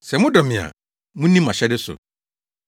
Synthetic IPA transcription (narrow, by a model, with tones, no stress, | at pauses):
sɛ˨mʊ̃˦dɔ˨mɪ̃˨a̰˨ | mũ˦nĩ˦mã˨ɕɛ˦dɪ˦sʊ̰˨